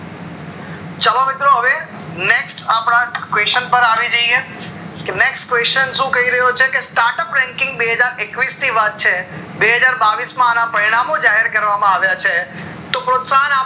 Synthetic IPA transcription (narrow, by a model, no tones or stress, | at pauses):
t͡ʃəlomɪt̪ɾoɦəʋe | neksʈapɽ̃ãkʋeʃənpəɾaʋid͡ʒəie | keneksʈkʋeʃənʃũkəɦiɾəɦot͡ʃʰekesʈaɾʈəpɾɛ̃ŋkɪ̃ŋɡbeɦəd͡ʒaɾekʋist̪ʰiʋat̪̚t͡ʃʰe | beɦəd͡ʒaɾbaʋismãːnapəɾiɽ̃amod͡ʒaɦɛɾkəɾʋamãaʋjat͡ʃʰe | t̪opɾot̪saɦəna